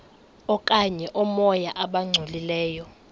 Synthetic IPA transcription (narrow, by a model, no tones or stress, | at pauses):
ɔkʼaɲɛʔɔmɔjaʔaɓaŋ͡ǀʱolilɛːjɔ